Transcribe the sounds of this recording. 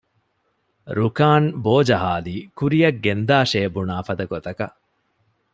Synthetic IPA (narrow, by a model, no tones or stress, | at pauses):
ɾukaːnboːd͡ʒɐɦaːliːkuɾijɐɡːend̪aːʃeːbunaːfɐd̪ɐɡot̪ɐkɐ